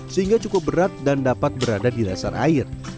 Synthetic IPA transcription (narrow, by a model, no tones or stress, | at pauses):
səɦiŋɡat͡ʃukʊp̚bəɾat̪̚dandapat̪̚bəɾadadidasa̰rʔa̰ɪr